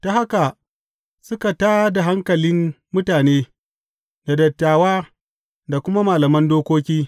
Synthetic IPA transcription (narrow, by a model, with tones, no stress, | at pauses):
ta˨˦ha˦ka˨ | sʊ˦ka˨taː˦da˨ɦa˦ŋkɐ˨lɪ˦m | mʊ˦taː˨neː˦ | da˨dɐ˨tːaː˨waː˦ | da˨kʷʊ˦ma˦maː˨lɐ˨mɐ˦ndoː˦kʷoː˦kʲiː˦